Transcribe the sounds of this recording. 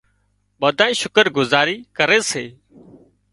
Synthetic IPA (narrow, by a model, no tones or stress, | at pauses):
ɓəːd̪ʱaːĩːʃʊkəɾɡʊzaːɾiːkəɾeːseː